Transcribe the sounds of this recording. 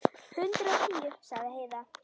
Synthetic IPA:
hʏnt̪ɾɔt̪ʰiːjʏɾ̥saɣðɪheːjða

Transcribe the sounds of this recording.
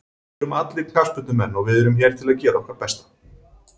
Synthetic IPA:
ʏmat̪lɪk̪ʰḁspʏt̪nʏmɛnːɔɣvɪðɛɾʏmçɛɾ̥t̪ʰɪlaðcɛːɾaɔkvaɾpɛst̪ḁ

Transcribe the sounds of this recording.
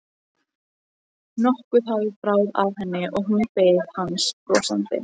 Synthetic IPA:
nɔhkʏθaɣɪpɾaːwða̰vɦɛnːɪʔɔɣɦunpeːjðhanspɾɔːsa̰nt̪ɪ̰

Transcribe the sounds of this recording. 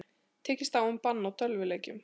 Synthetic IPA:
t̪ʰɛːcɪst̪awʏmpanːawt̪ʰœlvɪleːjcʏm

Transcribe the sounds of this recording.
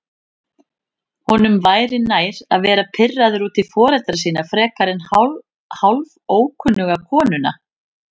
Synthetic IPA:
hɔnʏmvaːjɾɪnaːjɾa̰ðvɛːɾapʰɪrːaðʏɾuːt̪ɪfɔːɾɛt̪ɾas̬iːnafɾɛːkaɾɪn | halvoːwkʰʏnːʏɣakʰɔːnʏna̰

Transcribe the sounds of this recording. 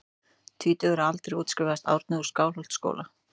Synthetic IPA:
t̪ʰiːt̪ʏɛɾalt̪ɾejuːt̪scɪvaðast̪a̰wɾt̪nɪu̥skaːwlɦɔwl̥t̪sko̰ːwla

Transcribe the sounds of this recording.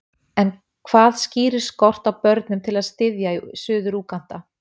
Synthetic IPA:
ɛn | kʰv̥aːðsciːɾɪ̥skɔr̥t̪awpœɾt̪nʏmt̪ʰɪlaðst̪ɪðjaisʏːðʏɾuːkan̥t̪a

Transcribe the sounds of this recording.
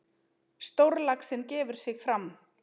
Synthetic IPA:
st̪owɾlaksɪncɛːvʏɾ̥sɪɣfɾam

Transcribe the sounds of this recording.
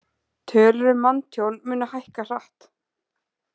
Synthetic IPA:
t̪ʰœːlʏɾʏmant̪ʰjowlmʏːnahajhkar̥aht̪

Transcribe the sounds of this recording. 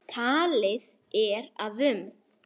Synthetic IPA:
t̪ʰaːlɪð | ɛɾaðʏm

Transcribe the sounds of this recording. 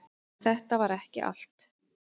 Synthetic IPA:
θɛht̪avaɾɛhcɪ̰ʔa̰l̥t̪

